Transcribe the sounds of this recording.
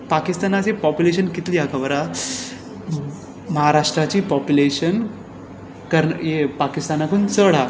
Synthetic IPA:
pakist̪anat͡sepɔpjuleɕ̬ənkit̪liːakʰəʋəɾa | məɦaɾaʂʈɾat͡ɕiːpɔpjuleɕən | kəɾjepakist̪anakuːnt͡səɽ̤a

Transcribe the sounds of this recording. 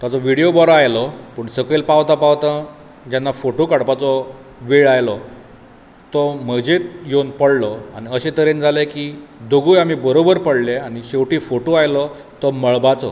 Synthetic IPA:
t̪at͡sɔʋiɽijobɔɾɔajlɔpəːɳsəkelpaʋt̪apaʋt̪ã | d͡ʑanːafoʈokaɽpat͡sɔ | ʋeɭajlɔ | t̪ɔm̤əd͡ʑet̪jonpəɽlɔañiəɕet̪əɾend͡zʱalekiːd̪oɡuːjam̤iːbəɾobəɾpəɽleaɽ̃iɕewʈiːfoʈoajlɔ | t̪ɔməɭbat͡sɔ

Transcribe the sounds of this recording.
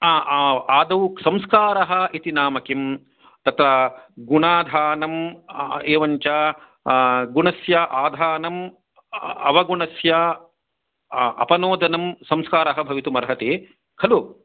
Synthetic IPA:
aːaːd̪ɐʋuksɐmskaːɾɐɦɐ̆ʔit̪inaːmɐkim | t̪ɐt̪ɾɐɡunaːd̪ʱaːnɐm | eːʋɐɲt͡ʃɐ | ɡunɐsjɐʔaːd̪ʱaːnɐm | ɐʋɐɡunɐsjɐ | ɐ̰pɐnoːd̪ʱɐnɐmsɐmskaːɾɐɦɐbʱɐʋit̪umɐɾɦɐt̪eː | kʰɐlu

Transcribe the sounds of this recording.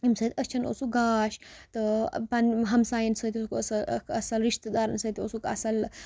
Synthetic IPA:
imsəːt̪ʲət͡ʃʰɐnʔo̰suɡaːʃt̪ɨpɐnɦɐmsaːjɐnsət̪ʰʲosukəsɐkɐsɐlɾiʂt̪əd̪aːɾɐnsət̪ʲosukɐ̰sɐl

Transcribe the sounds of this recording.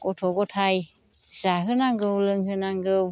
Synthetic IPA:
kot̪ʰokot̪ʰaj | saːɦɨnaŋɡəwlɨŋhɨnaŋɡəw

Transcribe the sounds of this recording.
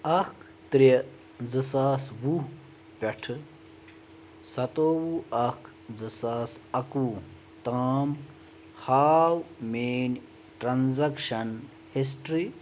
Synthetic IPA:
ɐkʰ | t̪ɾi | zɨsaːsʋuː | pʲɐʈʰɨ | sɐt̪oːwuːɐkʰ | zɨsaːsɐkuː | t̪aːm | haːwmeːn | ʈɾɐnzɐkʃɐn | his̬ʈɾi

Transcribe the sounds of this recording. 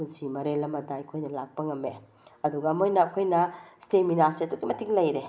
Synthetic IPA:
unsimɐɾelɐmɐdaɐkʰojnɐlak̚pɐŋɐme | ɐduɡɐːmojnɐːkʰojnɐsteminasiɐtukimɐtʰiŋlɐjɾe

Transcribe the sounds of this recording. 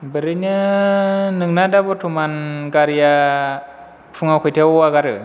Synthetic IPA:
bəɾiɲə | nɨŋnadabotʰumanɡaɾja | fuŋakʷutewwaɡaɾə̰

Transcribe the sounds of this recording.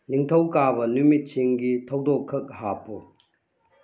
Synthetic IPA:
niŋtʰɐwkabɐnumit̚t͡ʃʰiŋɡitʰɐwdɔkʰːɐk̚ɦapʰo

